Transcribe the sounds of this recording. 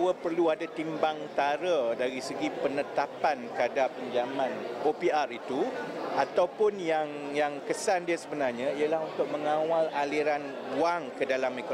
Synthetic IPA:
wəpərluadat̪imbaŋt̪aɾədaɾisəɡipənət̪apankadapəɲd͡ʒamãnopiarit̪uat̪awpʊnjaŋjaŋkəsandiasəbənarɲãijalahunt̪ʊk̚məŋãwalaliɾan | waŋkədalameko

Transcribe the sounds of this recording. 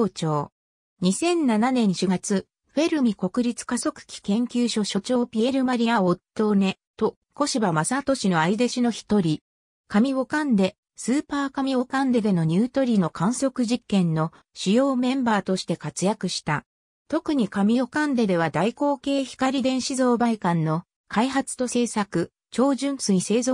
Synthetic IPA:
t͡ɕo̞ː | ɲ̟isẽ̞nːananẽ̞ɰ̃ɕɨɡat͡sɨ | ɸe̞ɾɯ̟mʲiko̞kɯ̟ɾʲit͡sɨ̥kaso̞kɯ̟̥kʲi̥kẽ̞ŋkʲɨːɕo̞ɕo̞t͡ɕo̞ːpʲie̞ɾɯ̟maɾʲijao̞t̪ːo̞ne̞ | t̪o̞ | ko̞ɕibamasat̪o̞ɕino̞aid̪eɕino̞çi̥t̪o̞ɾʲi | kamʲiβo̞kãnd̪e̞ | sɨːpaːkamʲiβo̞kãnd̪e̞d̪e̞no̞ɲ̟ɨːt̪o̞ɾʲino̞kʰãɰ̃so̞kɯ̟ʑikːẽ̞nːo̞ | ɕijo̞ːmẽ̞mbaːt̪o̞ɕi̥t̪e̞kat͡sɨjakɯ̟ɕi̥t̪a | t̪o̞kɯ̟ɲ̟ikamʲijo̞kãnd̪e̞d̪e̞β̞ad̪aiko̞ːke̞ːçi̥kaɾʲid̪ẽ̞ɰ̃ɕizo̞ːbaikãnːo̞ | kʰaiɦat͡sɨ̥t̪o̞se̞ːsakɯ̟ | t͡ɕo̞ːʑɨ̃ñsɨɲise̞ːzo

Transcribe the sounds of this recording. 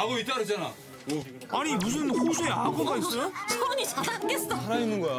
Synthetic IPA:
aɡoit͈aɾɯt͡ɕ͈ana | animus̬ʰɯnkusʰueaɡʰoɡais͈ʌjosʰoɲit͡ɕʰadanɡes͈aaɾainːɯnɡʌ

